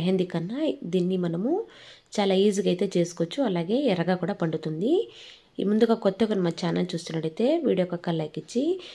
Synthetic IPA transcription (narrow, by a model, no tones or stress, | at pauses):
ɦend̪ikɐnːad̪iːnːimɐnɐmu | t͡ʃaːlaːiːziɡɐjt̪e̞ːt͡ʃe̞ːsu̥koʋot͡ʃːuɐlaːɡe̞ːɛɾɐɡaːkuːɽaːpɐɳɖut̪und̪i | mund̪uɡaːkɔt̪ːɐkɐnimaːt͡ʃaːnɐlt͡ʃuːst̪unːɐɽɐjt̪e̞ːʋiːɽijokɐkːɐlːɐjkːit͡ʃːi